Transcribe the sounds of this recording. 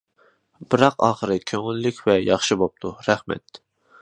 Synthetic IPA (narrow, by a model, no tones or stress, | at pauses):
b̥ɨɾɑqɑ̰ːχəɾɨkʲʰøŋylːykʲʰvɛjɑχʃɨbop̚t̪ʰuɾɛhmɛ̰t̪